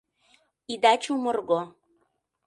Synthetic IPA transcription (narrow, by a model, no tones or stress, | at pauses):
id̪ɑt͡ɕumɤrɣo